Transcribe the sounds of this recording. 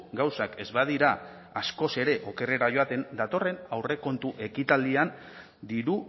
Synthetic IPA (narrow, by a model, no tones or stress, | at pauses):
ɡawsake̞zβaðiɾa | asko̞se̞ɾe̞ʔo̞ke̞re̞ɾaʝo̞at̪e̞nd̪at̪o̞re̞nawre̞ko̞nt̪uʔe̞kit̪ald̪ian | d̪iɾu